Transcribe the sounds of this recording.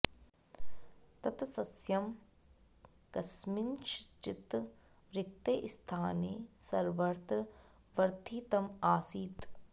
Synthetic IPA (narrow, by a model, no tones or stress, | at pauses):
t̪ɐt̪sɐsjɐm | kɐsminʃt͡ʃit̪ | ɾɪk̚t̪eːʔst̪ʰaːneːsɐɾʋɐɾt̪ɾ | ʋɐɾt̪ʰiːt̪ɐmaːsiːt̪